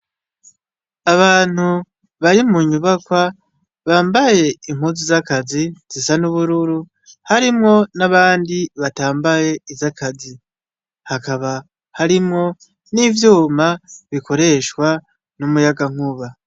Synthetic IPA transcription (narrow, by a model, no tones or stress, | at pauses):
aβaːn̥hu | βaɾimuɲuβakwa | βaːmbaje̞iŋ̥huzizakaziz̥isanuβuɾuɾu | haɾimŋo̞naβaːndiβataːmbaje̞izakʰazi | hakaβa | haɾimŋo̞ | nivjuːmaβiko̞ɾe̞ʃwa | numujaɡaŋ̥uβa